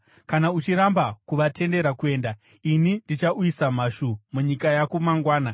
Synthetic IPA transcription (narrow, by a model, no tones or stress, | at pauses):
kanaut͡ʃiɾambakuʋatʰe̞nde̞ɾakue̞ːnda | inindit͡ʃaʔuisam̤aʃumuɲikajakumaŋɡwaːna